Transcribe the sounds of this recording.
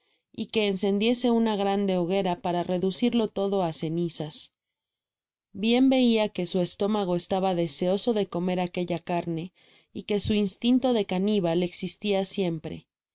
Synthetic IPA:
ike̞ːnse̞nd̪je̞se̞unaɣɾand̪e̞o̞ɣe̞ɾapaɾare̞ðusiɾlo̞t̪o̞ðo̞ase̞nisas | bje̞mbe̞iake̞sue̞st̪o̞maɣ̞o̞est̪aβaðe̞se̞o̞so̞ðe̞ko̞me̞ɾake̞ʝakaɾne̞ | ike̞suinst̪int̪o̞ðe̞kaniβale̞ksist̪iasje̞mpɾe̞̰

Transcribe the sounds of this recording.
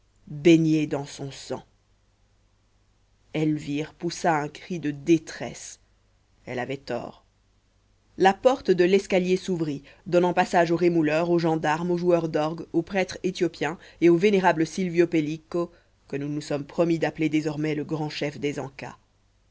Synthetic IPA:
beɲjed̪ɑ̃sɔ̃sɑ̰̃ | ɛlviʁpusaɛ̃kχid̪əd̪et̪χɛ̰s | ɛla̰vɛt̪ɔ̰ːʁ | lapɔʁt̪d̪əlɛskaljesuvʁi | d̪ɔnɑ̃pasaʒoʁemulœʁoʒɑ̃d̪aʁmoʒuœʁd̪ɔʁɡopχɛt̪χet̪jɔpjɛ̃eoveneʁabləsilvjɔpeliko | kənunusɔmpχɔmid̪apled̪ezɔʁmɛləɡʁɑ̃ʃɛfd̪ezɑ̃ka̰

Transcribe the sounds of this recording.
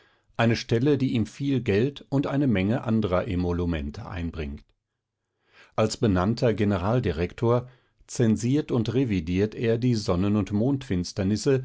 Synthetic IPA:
ʔaɪnəʃtɛlədiːʔiːmfiːlɡɛltʊntʔaɪnəmɛŋəʔandəʁɐʔemolumɛ̰ntʰə̰ʔa̰ɪnbʁɪ̰ŋkt | ʔalsb̥ənantʰɐɡenəʁaːldiʁɛktʰoːɐ | t͡sɛnziːɐtʊntʁevidiːɐteːɐdiːzɔnənʊntmoːntfɪnstɐnɪsə

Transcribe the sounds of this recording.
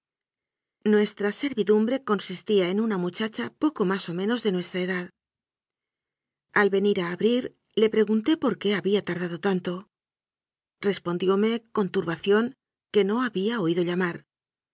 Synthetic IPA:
nwe̞st̪ɾase̞ɾβiðumbɾe̞ko̞nsist̪iaenunamut͡ʃat͡ʃapo̞ko̞maso̞mẽ̞no̞zðe̞nwe̞st̪ɾaeðað | alβe̞niɾaːβɾiɾ | le̞pɾe̞ɣ̞unt̪e̞po̞ɾke̞aβiat̪aɾð̞að̞o̞t̪ant̪o̞ | re̞spo̞nd̪jo̞me̞ko̞nt̪uɾβaθjo̞ŋ | ke̞no̞aβiao̞iðo̞ʎamaɾ

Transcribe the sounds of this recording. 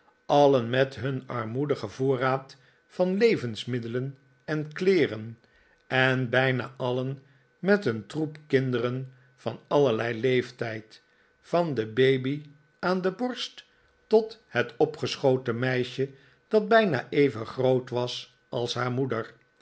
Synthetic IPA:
ɑlənmɛtɦɵnɑɹmudəχəvoːraːt | fɑnlejvənsmɪdələn | ɛnklɪːrən | ɛnbɛjna̰ːʔɑlən | mɛtəntrupkɪndərən | fɑ̰nɑləɹlɛjlejftɛjt | fɑndəbejbi | aːndəbɔɹst | tɔthɛtɔpχəsχowtəmɛjʃə | d̥ɑd̚bɛjna̰ːʔejvənχrowtʋɑs | ɑlˠsɦaːɹmudəɹ

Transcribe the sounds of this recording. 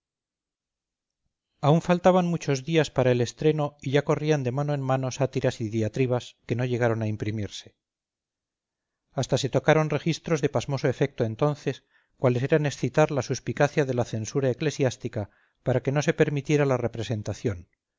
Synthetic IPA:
auɱfalt̪aβanmut͡ʃo̞zðiaspaɾaele̞st̪ɾe̞no̞iʝako̞riand̪e̞manoe̞nmano̞sat̪iɾasiðiat̪ɾiβaske̞no̞ʝe̞ɣ̞aɾo̞naimpɾimiɾse̞̥ | ast̪ase̞t̪o̞kaɾo̞nre̞xist̪ɾo̞zðe̞pazmo̞soe̞fe̞k̚t̪oent̪o̞nθe̞s | kwale̞s̬e̞ɾane̞sθit̪aɾlasuspikaθjaðe̞laθe̞nsuɾae̞kle̞sjast̪ika | paɾake̞no̞se̞pe̞ɾmit̪je̞ɾalarepɾe̞se̞nt̪aθjo̞n

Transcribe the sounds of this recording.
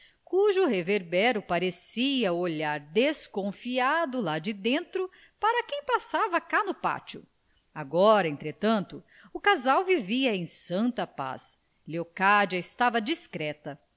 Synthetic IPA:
kuʒʊɦeveɾbɛɾʊpaɾesiɐuoʎaɾd̪eskõfiad̪ʊlad͡ʒɪd̪ẽnt̪ɾʊ | paɾɐkẽj̃pasavɐkanʊpa̰t͡ʃʊ̰ | aɡɔɾɐẽnt̪ɾet̪ɐ̃nt̪ʊ | ʊkazawviviɐẽj̃sɐ̃nt̪ɐpa̰s | leokad͡ʒɐɪst̪avɐd͡ʒiskɾɛt̪ɐ

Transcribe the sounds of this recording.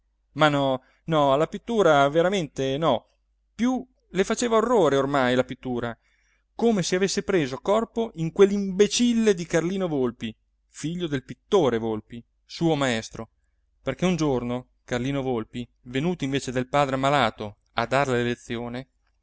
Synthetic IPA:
manɔ | nɔlapit̪ːuːɾaveɾament̪enɔ | pju | lefat͡ʃeːvaorːoːɾeormajlapit̪ːuːɾa | komeseavesːepɾeːzokɔrpoʔiŋkwelːimbet͡ʃilːed̪ikarliːnovolpi | fiʎːod̪elpit̪ːoːɾevolpi | suːomaɛst̪ɾo | perk̟eund͡ʒorno | karliːnovolpi | venuːt̪oĩɱveːt͡ʃed̪elpaːd̪ɾeamːalaːt̪o | ad̪arlelet̪sːjoːne

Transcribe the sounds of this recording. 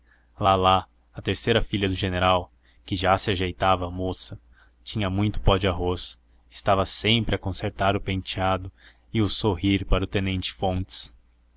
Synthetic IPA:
lala | ɐt̪eɾsejɾɐfiʎɐd̪ʊʒeneɾaw | kɪʒasɪaʒejt̪avɐːmosɐ | t͡ʃĩɲɐmũj̃t̪ʊ̥pɔd͡ʒɪaɦos | ɪst̪avɐsẽmpɾɪɐkõseɾt̪aɾʊpẽnt͡ʃiad̪ʊ | ɪʊsoɦiɾpaɾɐʊt̪ẽnẽnt͡ʃɪ̥fõnt͡ʃɪ̥s

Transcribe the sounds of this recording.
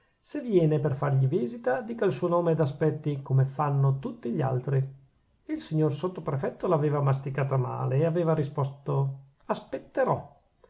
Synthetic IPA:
sevːjɛːneperfarʎiviːzit̪ad̪iːkailsuːonoːmed̪aspɛt̪ːikomefanːot̪ut̪ːiʎa̰lt̪ɾi | ilsiɲːorsot̪ːopɾefɛt̪ːolaːveːvamas̬t̪ikaːt̪ama̰ːleːaveːvaɾispɔst̪o | aspet̪ːeɾɔ

